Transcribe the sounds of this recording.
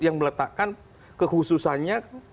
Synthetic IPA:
jaŋmələt̪aʔkan | kəhususanɲa

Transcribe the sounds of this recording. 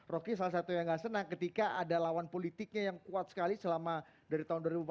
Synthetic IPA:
rɔkis̬alas̬at̪ujaŋɡaʔsənaŋkət̪ikaʔadalawanpolit̪ɪk̚ɲajaŋkuat̪̚sə̥kalisəlama | daɾit̪aɦʊnduaɾibup

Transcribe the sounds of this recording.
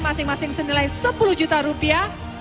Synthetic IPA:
masɪŋmasɪŋsənilajsəpuluhd͡ʒut̪aɾupia

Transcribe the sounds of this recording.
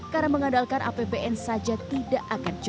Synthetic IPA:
kaɾaməŋandalkanʔa̰pebeʔɛnsad͡ʒat̪idaʔakand͡ʒ

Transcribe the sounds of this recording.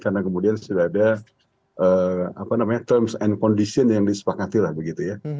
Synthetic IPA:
karnakəmudiansudaada | əa̰panamaɲat̪ərmsɛnkɔndisiənjaŋdisə̥pakat̪ilahbəɡit̪uja

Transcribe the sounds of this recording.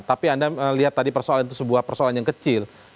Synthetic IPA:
t̪apiandaəliɦat̪ːadipərsoalanit̪usəbuahpərsoalanjaŋkət͡ʃɪl

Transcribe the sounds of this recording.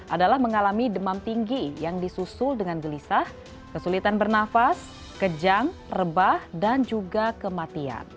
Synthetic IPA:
ʔadalahməŋalamidəmamt̪iŋɡijaŋdisusʊldəŋanɡəlisah | kəsulit̪anbərnafas | kəd͡ʒaŋrəbahdand͡ʒuɡakəmat̪ia̰n

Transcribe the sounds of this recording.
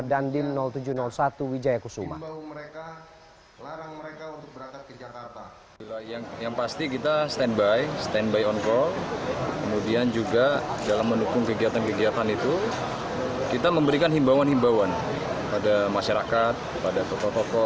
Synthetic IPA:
dandɪmnɔlt̪ud͡ʒunɔlsat̪uwid͡ʒajakusuma̰məeka | aŋekaut̪ʊk̚bəakat̪̚kəd͡ʒakat̪a | ilajaŋjaŋpast̪ikit̪ast̪ɛnbajst̪ɛnbajɔnkɔlkəmudiand͡ʒuɡadalamːəndukʊŋkəɡiat̪ankəɡiat̪anit̪u | kit̪aməmbəɾikanɦimbawanhimbawan | əpadamaʃaɾakat̪̚əpadat̪ɔkɔt̪ɔkɔ

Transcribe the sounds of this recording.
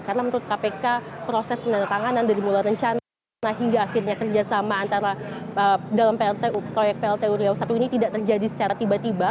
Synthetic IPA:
karənamənt̪uɾʊt̪̚kapekapɾosɛspənanət̪aŋanandaɾimulajɾəɲt͡ʃan | naɦiŋɡaːxirɲakərd͡ʒasamaːnt̪aɾaədalampeɛlt̪epɾojɛk̚peɛlt̪euɾiausat̪uinit̪idaʔt̪ərd͡ʒadisə̥t͡ʃaɾat̪ibat̪iba

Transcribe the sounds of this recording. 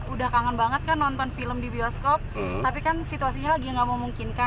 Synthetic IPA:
udahkaŋanbaŋət̪̚kanːɔnt̪ɔnfiləmdibiɔskɔp̚t̪apikansit̪uasiɲalaɡiaŋɡaʔmomuŋkɪnka

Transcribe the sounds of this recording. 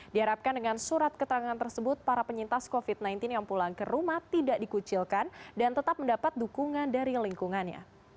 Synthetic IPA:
diɦaɾap̚kandəŋansuɾat̪̚kət̪əɾaŋant̪ərsəbʊt̪̚paɾapəɲint̪askofit̪̚najnt̪ɪnjaŋpulaŋkərumaht̪idaʔdikut͡ʃilkandant̪ət̪ap̚məndapat̪̚dukuŋandaɾiliŋkuŋanɲa̰

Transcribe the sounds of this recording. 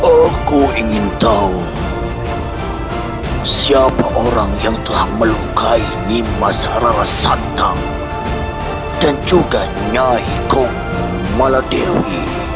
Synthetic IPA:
ʔakuiŋɪnt̪au | siapaʔoɾaŋjaŋt̪əlahməlukainimasaɾalasant̪aŋ | d̥and͡ʒuɡa | ɲaikɔŋ | maladewḭ

